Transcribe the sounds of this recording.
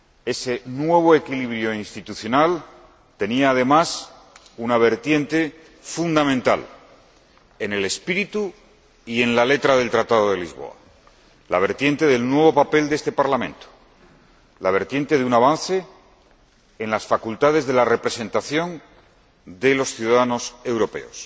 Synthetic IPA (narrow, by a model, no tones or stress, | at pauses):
e̞se̞nwe̞β̞o̞ekiliβɾjo̞inst̪it̪uθjo̞nal | t̪e̞niaːð̞e̞mas | unaβe̞ɾt̪je̞nt̪e̞ | fund̪amẽnt̪a̰l | enele̞spiɾit̪u | ie̞nlale̞t̪ɾaðelt̪ɾat̪að̞oðe̞lizβo̞̰a̰ | la̰β̞e̞ɾt̪je̞nt̪e̞ðe̞lnwe̞βo̞pape̞ld̪est̪epaɾlamẽ̞nt̪o̥ | laβe̞ɾt̪je̞nt̪e̞ðeunaβ̞anθe̞ | nlasfakult̪aðe̞zðe̞lare̞pɾe̞se̞nt̪aθjo̞n | d̪e̞lo̞sθjuðaðano̞se̞wɾo̞pe̞̰o̞̰s